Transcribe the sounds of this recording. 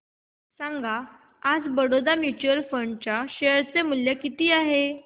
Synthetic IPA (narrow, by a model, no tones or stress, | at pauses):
sãŋɡʱaː | d͡zbəɽod̪amjut͡ɕuəlfəɳɖt͡ɕaɕeəɾt͡semuljakit̪iːaɦe